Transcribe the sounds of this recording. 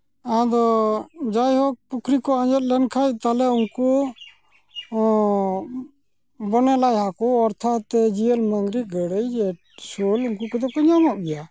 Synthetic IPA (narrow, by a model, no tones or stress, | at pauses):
ad̪ɔd͡ʒajɦɔk̚pukʰɾikɔaɲd͡ʒɔt̪̚lɛnkʰac̚t̪alɛuŋku | bɔnɛlajhakɔɔɾt̪ʰat̪ːɛd͡ʒiəlməŋɡɾiɡəɽəjd͡ʒɛ | soluŋkukɔt̪ɛpɔɲamɔʔbɛja